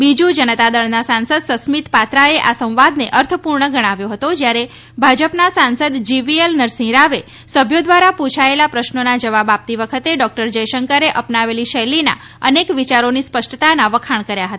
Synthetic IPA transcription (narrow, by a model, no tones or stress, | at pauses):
bid͡ʒũd͡ʒənət̪ad̪əɭnasãnsəd̪səsmit̪pat̪ɾaeʔasə̃w̃ʋad̪neʔəɾt̪ʰəpuɾɳəɡəɽ̃aʋjoɦət̪od͡ʒjaɾe | bʱad͡ʒəpnasansəd̪d͡ʒiʋielnəɾsĩɾaʋe | səbʱjod̪ʋaɾapũt͡ʃʰaelapɾəʃnonad͡ʒəʋabap̚t̪iʋəkʰət̪eɖɔk̚ʈəɾd͡ʒəjʃəŋkəɾeʔəpnaʋeliʃəjlina̰ | ənekʋit͡ʃaɾonispəʃʈət̪anaʋəkʰaɳ̃kəɾjaɦət̪a